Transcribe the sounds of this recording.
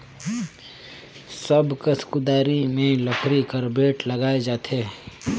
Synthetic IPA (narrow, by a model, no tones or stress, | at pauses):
səbkəskʊd̪aːɾimẽləkʰɾikəɾbeːʈlɐɡaːed͡ʒaːt̪ʰeː